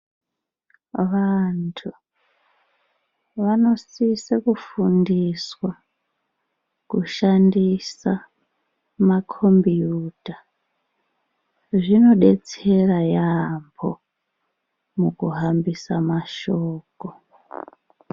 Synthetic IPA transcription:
ʋantʰu | ʋano̞sisekufundiswa | kuʃandisa | makʰo̞mbijuːta | ʐino̞ɗe̞t͡se̞rajambʰo | mukuɦambisamaʃoːko

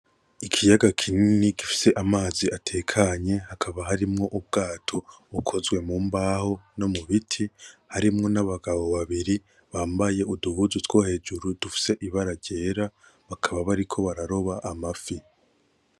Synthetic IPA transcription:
ikʰijaɡakʰininikifi̥se̞ʔamaːziatʰe̞ːkʰaɲe̞hakʰaβaɦaɾimŋo̞ʔub̚ɡaːtʰo̞βukʰo̞zɡwe̞muːmbaːho̞no̞muβitʰihaɾimŋo̞naβaɡaβo̞βaβiɾi | βaːmbaje̞uduβuzutwo̞he̞ːd͡ʒuɾudufi̥se̞ʔiβaɾaɟe̞ːɾaβakʰaβaβaɾikʰo̞βaɾaɾo̞βaʔamafi

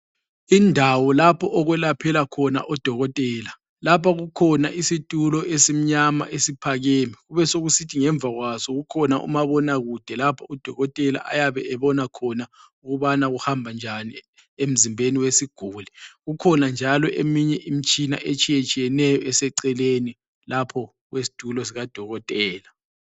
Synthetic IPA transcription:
indʱawɔlapʰɔʔɔɣwɛlapʰɛlakʰɔna̰ʔɔd̥ʱɔɣɔtʼɛːla | lapʰaɣukʰɔna̰ʔisitʼulɔesim̩ɲama̰ʔesipʰaɣeːmiɣuβɛsoɣusitʰiŋɛɱb̪vʱaɣwasɔɣukʰɔna̰ʔṵmaβɔnaɣud̥ʱɛlapʰɔud̥ʱɔɣɔtʼɛla̰ʔa̰jaβɛɛβɔnakʰɔna | uɣuβanaɣuhambʱand͡ʒʱani | em̩zimbʱeniwesiɡ̥ʱuːliɣukʰɔnand͡ʒʱalɔʔḛmiɲɛʔim̩t͡ʃʼina̰ʔet͡ʃʼijet͡ʃʼijɛnɛjɔɛsɛǀɛleni | lapʰɔ | ɣwesi̥tʼulɔs̬iɣad̥ʱɔɣɔtʼɛːla

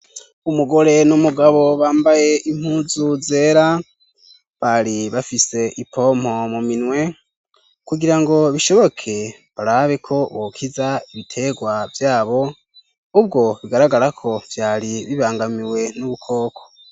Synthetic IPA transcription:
umuɡo̞ɾe̞numuɡaβo̞βaːmbaje̞im̥huzuze̞ːɾa | βaɾiβafise̞ʔipʰo̞m̥ho̞muminwe̞ | kuɡiɾaŋɡo̞βiʃo̞βo̞kʰe̞ | βaɾaβe̞kʰo̞βokʰizaiβitʰe̞ɡwavjaːβo̞ | ub̚ɡo̞βiɡaɾaɡaɾakʰo̞v̥jaːɾiβiβaːŋɡamiwe̞nuβukʰo̞ːkʰo̞̥

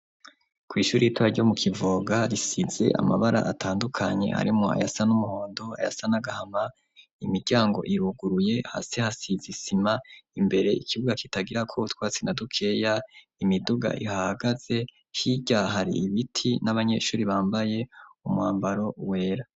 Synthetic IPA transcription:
kwiːʃuːɾiituβaɾɟo̞mukʰivoːɡaɾisize̞̰ʔa̰maβaɾa̰ʔatʰaːndukʰaɲe̞̰ha̰ɾimoa̰jasanumuho̞ːndo̞a̰ja̰sanaɡahama | imiɾɟaːŋɡo̞̰ʔiɾuɡuɾuje̞ha̰sehasizisimaimbe̞ɾe̞ikʰiβuɡakitaɡiɾakʰoβutwaːt͡sinadukʰe̞ːja | imiduɡa̰ʔihaaɡaz̥e̞ | hiɟaɦaɾḭːβitʰinaβaɲe̞̰ːʃuːɾiβaːmbaje̞umwaːmbaɾo̞we̞ːɾa

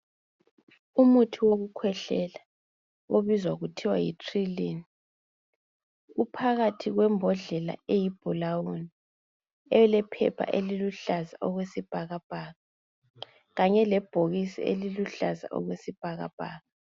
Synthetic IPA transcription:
umutʰiwoɣukʰwɛɬɛla | oβizwaɣutʰiwajitʰʼrileːni | ɣupʰaɣatʰiɣwɛmbʱɔɮɛla̰ejib̥ʱɔlawuni | ɛɛlɛpʰɛ̰pʰa̰ʔeliluɬazaʔɔɣwesib̥ʱaɣab̥ʱaːɣa | ɣaɲɛlɛb̥ʱoɣisḭḛliluɬaza̰ʔɔ̰ɣwesib̥ʱaɣa̰b̥ʱaːɣa

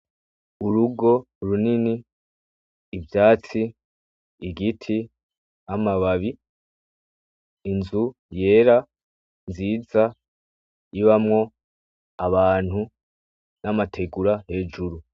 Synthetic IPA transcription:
uɾuɡo̞ | ɾunini | vjaːt͡siː | ɡitʰi | amaβaβi | nzu | je̞ːɾa | nziːza | iβamŋo̞ | aβaːn̥hu | namatʰe̞ɡuɾahe̞ːd͡ʒuɾu

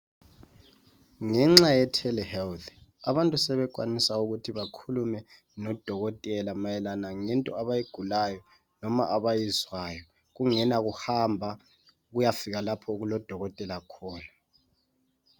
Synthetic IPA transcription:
ŋɛŋ͡ǁajɛtʰɛlɛhɛltʰa̰βantʼusɛβɛkʼwanisauɣutʰiβakʰulumɛ | nɔd̥ʱɔɣɔtʼɛlamajɛlanaŋɛntʼɔaβajiɡ̥ʱulajɔ | nɔma̰ʔaβajizwaːjɔ | ɣ̬uŋɛnaɣuhambʱa | ɣujafiɣalapʰɔuɣulɔd̥ʱɔɣɔtʼɛlakʰɔːna

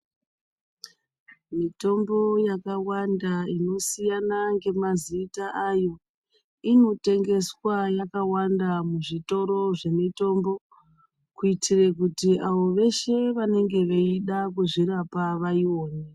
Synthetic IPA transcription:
mito̞mbo̞jakawandaino̞sijanaŋɡe̞maziːtaʔajo̞ | ino̞te̞ŋɡe̞swajakawandamuʐito̞ɾo̞ʐe̞mito̞mbo̞ | kuitʰire̞kutiʔaʋo̞ʋe̞ʃe̞ʋane̞ŋɡe̞ʋeiɗak̬uʐiɾapaʋaiwoːne

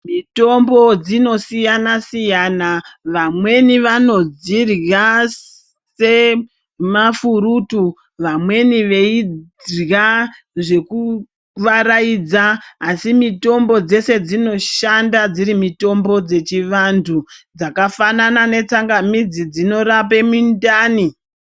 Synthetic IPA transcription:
mito̞mbo̞d͡zino̞sijanasijanaʋamwe̞niʋano̞d͡zirja | se̞ | mafuɾutu | ʋamwe̞niʋe̞i | ja | ʐe̞ku | ʋaɾaid͡zaːsimito̞mbo̞d͡ze̞se̞d͡zino̞ʃandad͡ziɾimito̞mbo̞d͡ze̞t͡ʃiʋantʰud͡zakafananane̞t͡saŋɡamid͡zid͡zino̞rape̞mundaːni

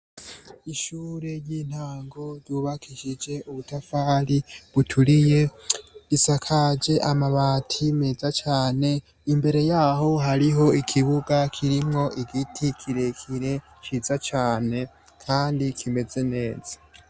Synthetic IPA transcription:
iʃuːɾe̞jiːn̥haːŋɡoɾɟuːβakʰiʃid͡ʒe̞uβutafaːɾiβutʰuɾije̞ɾisakʰad͡ʒe̞ʔamaβaːtʰime̞zat͡ʃaːne̞ | imbe̞ɾe̞jaho̞ɦaɾiɦo̞ikʰiβuɡakʰiɾimŋo̞ʔiɡitʰikʰiɾe̞kʰiɾe̞ | t͡ʃizat͡ʃaːne̞ | kʰaːndikʰime̞ze̞ne̞ːz̥ḁ

